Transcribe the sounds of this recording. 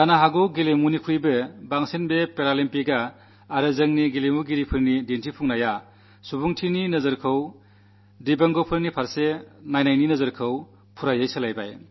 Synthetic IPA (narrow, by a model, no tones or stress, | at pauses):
danaɦaɡuɡelemunikʰujbɯbaŋsenbepeɾalempiɡaː | ɾɯzɯŋniɡilemuɡiɾipʰɯɾnidentʰipʰuŋnaja | subuŋtʰininɐzɯɾkʰɯw | dibaŋɡopʰɯɾnipʰaɾsenajnajninɐzɐɾkʰɯw | pʰuɾajajsɯlajbaj